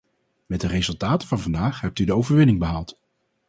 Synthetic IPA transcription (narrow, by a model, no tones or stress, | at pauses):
mɛtdərezɵlˠtaːtəvɑnvɑndaːχɦɛp̚tydəowvəɹʋɪnɪŋbəɦaːlˠt